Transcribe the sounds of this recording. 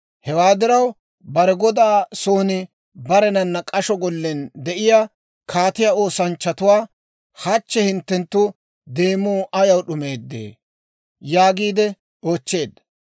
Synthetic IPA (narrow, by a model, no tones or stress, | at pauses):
hɛwaːd̪ɪɾɐw | bɐɾɛɡɔd̪aːso̞ːnɪ | bɐɾɛnɐnːɐkʼɐʃɔɡɔlːɛnd̪ɛʔɪja | kʰaːt̪ɪjaːo̞ːsɐnt͡ʃːɐt̪ʊwaː | hɐt͡ʃːɛhɪnt̪ːɛnt̪ːʊ | d̪e̞ːmuːʔɐjɐwɗʊme̞ːd̪ːḛː | jaːɡiːd̪ɛ | o̞ːt͡ʃːe̞ːd̪ːɐ